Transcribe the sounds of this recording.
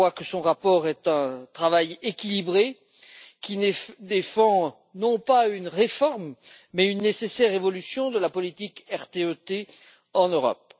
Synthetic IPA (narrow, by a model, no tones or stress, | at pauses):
wakəsɔ̃ʁapɔʁɛt̪ɛ̃t̪χavajekʲilibʁe | kʲid̪efɑ̃ | nɔ̃paynʁefɔʁmmɛynːesesɛʁevɔlysjɔ̃d̪əlapɔlit̪ikɛʁt̪eøt̪e | ɑ̃nøʁɔ̰p̚